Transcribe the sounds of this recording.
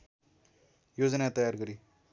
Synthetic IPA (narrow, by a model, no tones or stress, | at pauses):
jod͡zʌnat̪ʌjarɡʌɾi